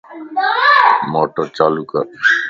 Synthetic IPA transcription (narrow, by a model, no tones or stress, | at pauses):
moːʈəɾt͡ʃaːluːkəɾ